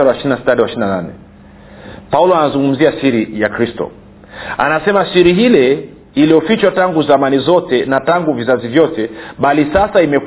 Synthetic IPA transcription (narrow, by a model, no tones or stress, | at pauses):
aɾwaʃiinasitaɾwaʃininananɛ̰ | paulɔanazuŋɡum̩ziasiɾijakɾistɔ̰ | a̰nasɛmasiɾiɦilɛ | iliɔfit͡ʃwataŋɡuθamanizɔtɛnataŋɡuvizazivjɔtɛɓalisasaimɛ